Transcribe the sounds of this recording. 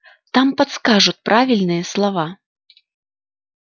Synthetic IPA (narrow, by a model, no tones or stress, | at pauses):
t̪ampat̪skaʐut͡sʲpɾʔavʲilʲnɨjɐslˠava